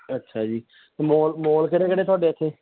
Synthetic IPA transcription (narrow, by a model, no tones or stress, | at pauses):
ətːʃʰaːd͡ʒiː | t̪emoːlmoːlkəɾeːkəɽeːt̪ʊaːɖeːət̪ʰːeː